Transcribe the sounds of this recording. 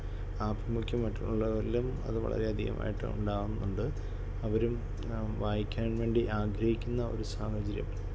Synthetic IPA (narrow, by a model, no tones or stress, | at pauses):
aːbrɐmukʲːɐmːɐtːuuɭːɐʋɐɾilumɐ̰ðɨʋɐ̰ɭɐ̰ɾeɐd̪ʱḭjɐ̰mʔa̰ːjiʈːɨ̰ṵɳɖaːɣunːuɳɖɨ | ɐʋɐɾum | ʋaːjikʲːaːnʋe̞ːɳɖiʔaːɡɾɐhikʲːunːɐo̞̰ɾusaːhɐt͡ɕɐɾjɐ̰m